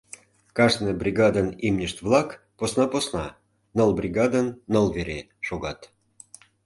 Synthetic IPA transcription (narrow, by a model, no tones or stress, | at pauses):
kɑʒnɨjbrʲiɡɑd̪ənimnʲəʃt̪vlɑk | posnɑposnɑ | nəlˠbrʲiɡɑd̪ənːəlˠveɾʲe | ʃoɣɑt̪